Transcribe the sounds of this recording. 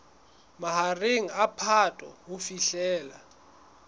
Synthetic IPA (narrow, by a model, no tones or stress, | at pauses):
maɦareŋ̩apʰatʼwɔ̰wufiɬɛːla